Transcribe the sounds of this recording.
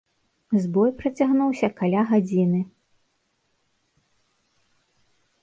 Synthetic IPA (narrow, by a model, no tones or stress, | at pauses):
zbɔjpɾɐt͡sʲaɣnuwsʲɐkalʲaɣad͡zʲinɨ